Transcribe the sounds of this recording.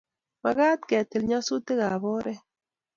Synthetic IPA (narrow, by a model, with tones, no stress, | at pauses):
ma˨ɣa˦t̚kɛ˨te˨lɲa˦su˦te˦ɣa˨bɔ˦ɾɛ˦